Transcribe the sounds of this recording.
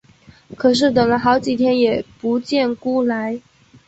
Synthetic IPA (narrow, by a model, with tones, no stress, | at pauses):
kʰɤ˨˩ʂ̬ɻ̩˥˩t̪̬ɤ˨˩ŋlə˧˦xɑ˧˥ʊt͡ɕi˨˩t̪ʰjɛ˥njɛ˨˩pu˧˥t͡ɕjɛ˥˩nku˥˩la˧˥ɪ